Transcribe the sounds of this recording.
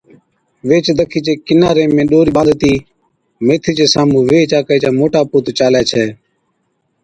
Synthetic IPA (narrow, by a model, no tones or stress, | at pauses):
ʋeːt͡ʃd̪ʱəkʰiːt͡ʃeːkɪnaːɾeːmẽːɗoːɾiːɓãːd̪t̪iː | meːt̪ʰiːt͡ʃeːsaːmũːʋeːt͡ʃaːkaiːt͡ʃaːmoːʈaːpoːt̪ːt͡ʃaːljaːt͡ʃʰɛː